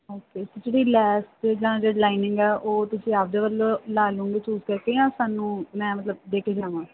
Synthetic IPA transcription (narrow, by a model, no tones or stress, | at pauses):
oːkeːsod͡ʒeːɽiːlɛːsʈd͡ʒəãːd͡ʒeːɖlaːɪnɪ̃ŋɡɛːʔoːt̪ʊsĩːap̚d̪eːʋəlːõlaːlũːŋɡeːt͡ʃuːzkəɾkeːãːsaːnũːmɛ̃ːmət̪ləb̚d̪eːkʰeːd͡ʒaːʋãː